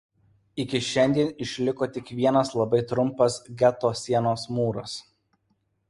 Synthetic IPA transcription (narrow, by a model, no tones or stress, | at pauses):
ɪkʲɪʃʲɛnʲd̪ʲiɛnɪʃʲlʲɪkoːt̪ʲɪkʋʲiɛnɐslˠɐbɐɪt̪ɾʊmpɐsɡʲɛt̪oːsʲiɛnoːsmuːɾɐs